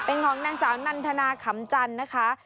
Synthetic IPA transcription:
pe˧nkʰɔː˩˦ŋnaː˧ŋsaː˨˩˦wna˧nt̪ʰa˧naː˧kʰa˨˦mt͡ɕa˧nːa˦˥kʰa˦˥

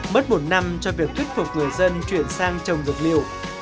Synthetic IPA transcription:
mə˦˥t̚mo˨˩t̚na˧mt͡ɕɔ˧vi˨˩ək̚t̪ʰi˦˥t̚fʊ˨˩k͡p̚ŋɨ˨˩əjzə˧nt͡ɕwi˧˩ənsaː˧ŋt͡ɕə˨˩wŋ͡mzɨ˨˩k̚li˧˨əw

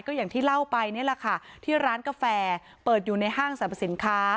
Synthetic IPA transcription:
jkɔː˥˩jaː˨˩ŋt̪ʰiː˥˩la˥˩wpa˧jni˥˩ɐla˨˩kʰa˥˩t̪ʰiː˥˩ɾaː˦˥nka˧fɛː˧ | pɤː˨˩t̪̚juː˨˩na˧jɦaː˥˩ŋsa˧˦a˨˩si˩˦nkʰaː˦˥

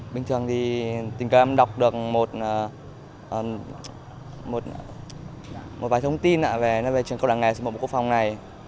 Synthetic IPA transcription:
ɓï˨˩ŋ̟t̪ʰɨ˨˩əŋt̪ʰi˨˩t̪ï˨˩ŋ̟kə˧˦˧ɗa˨˩wk͡p̚ɗɨ˨˩ək̚mo˨˩t̚ʔəː˨˩ | ʔəː˨˩ | mo˨˩t̚ | mo˨˩t̚vaː˨˩t̪ʰə˧wŋ͡mt̪i˧nʔa̰ː˧˥ve˨˩nɔ˧˨˦ve˨˩t͡ɕəŋkə˧wɗa̰ː˧˨ŋa˨˩smo˨ɓ̰kkfa˨˩wŋ͡mna˨˩j

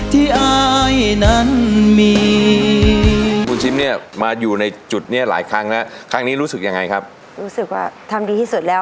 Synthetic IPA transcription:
t̪ʰiː˥˩ʔa˦˧jna˦˥nmiː˧ | kʰuː˧nt͡ɕʰi˦˥mni˥˩ɐmaː˧juː˨˩na˧jt͡ɕu˨˩t̪̚niː˦˥˩ɐla̰ː˩˦jkʰa˦˥ŋlɛ˦˥kʰa˦˥ŋniː˦˥ɾuː˦˥sɯ˨˩k̚ja˧ŋːa˧jkʰa˦˥p̚ | ɾuː˦˥sɯ˨˩k̚wa̰ː˥˩t̪ʰa˧mdiː˧t̪ʰiː˥˩su˨˩t̪̚lɛː˦˥

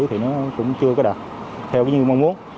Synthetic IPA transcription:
jt̪ʰi˨˩nɔ˨˦kʊ̰˧˥wŋ͡mt͡ɕɨ˧əkɔ˨˦ɗaː˨˩t̚t̪ʰɛ˧wkaː˨˦jŋɨ˨˩ma˧wŋ͡mmu˨˦ən

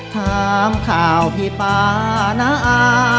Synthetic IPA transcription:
t̪ʰaː˧mkʰaː˨˩wpʰi˧˦paː˧na˧˦˥ʔaː˧

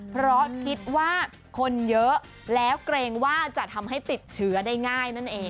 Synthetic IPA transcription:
pʰɾɔ˦˥kʰi˦˥t̪̚waː˥˩ | kʰo˧njɤ˦˥ʔ | lɛː˦˥wkɾeː˧ŋwaː˥˩t͡ɕa˨˩ʔt̪ʰa˧mɦa˥˩jt̪i˨˩t̪̚t͡ɕʰɯ˦˥ɐdaː˥˩jŋaː˥˩jna˥˩nʔeː˧ŋ

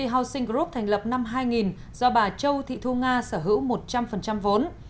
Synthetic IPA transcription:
i˧˩ɦa˨˧˩wsï˧ŋ̟kɾu˦˥p̚t̪ʰɛ˨˩ŋ̟lə˨˩p̚na˧mɦaː˧jŋi˨˩n | z̥ɔ˧ɓaː˨˩t͡ɕə˧wt̪ʰḭ˧˨t̪ʰu˧ŋaː˧səː˧˩ɦɨ̰˧˥wmo˨˩t̚t͡ɕa˧mfə˨˩nt͡ɕa˧mvo˨˦n

